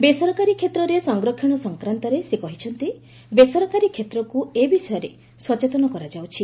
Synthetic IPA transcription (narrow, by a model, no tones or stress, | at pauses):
besɔɾɔkaɾikʰːet̪ɾɔɾesɔŋɡɾɔkʰjɔɽ̃ɔsɔŋkɾant̪ɔɾesekɔɦit͡ʃʰɔnt̪i | besɔɾɔkaɾikʰjet̪ɾɔkuebisɔjɔɾe | swɔt͡ʃet̪ɔnɔkɔɾad͡ʒawt͡ʃʰi